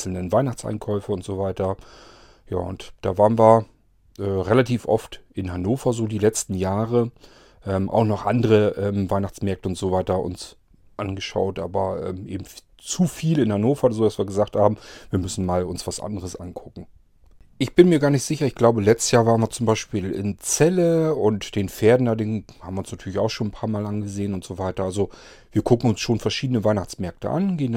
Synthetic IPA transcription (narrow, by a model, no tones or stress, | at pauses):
l̩nənvaɪnaχt͡sʔa̰ɪnkʰɔʏfəʊntz̥oːvaɪtɐ | ja̰ːʊntd̥aːvaːʁənviːɐ | ʔɛːʁelatʰiːfʔɔ̰ftʔɪnɦanoːfɐzoːdiːlɛt͡stn̩jaːʁə | ʔɛːmʔa̰ʊxnɔχʔandəʁəʔɛːmvaɪnaχt͡smɛɐk̚təʊntz̥ovaɪtɐʔʊ̰ns | ʔanɡəʃa̰ʊtʔaːbɐʔɛ̰ːmʔeːbm̩ | t͡sufiːlɪnhanoːfɐzoːdasv̥iːɐɡəzaːχthaːbm̩viːɐmʏsn̩maːlʊnsv̥asʔa̰ndəʁ̞əsʔa̰nkʰʊkŋ̩ | ʔɪçb̥ɪnmiːɐɡaːɐnɪçtz̥ɪçɐɪçɡ̥laʊbəlɛt͡stə̥sjaːɐvaːʁənviːɐt͡sʊmbaɪʃpiːlɪ̰nt͡sɛləʊntd̥eːnfeːɐdn̩dadeːnhaːmviɐʊnsnatʰyːɐlɪçaʊxʃoːnnpʰaːɐmaːlʔanɡəzeːənʊntz̥ovaɪtɐalzo | v̥iːɐkʰʊkŋ̩ʊnsʃoːnfɛɐʃiːdnəvaɪnaχt͡smɛɐk̚tə̰ʔa̰nɡen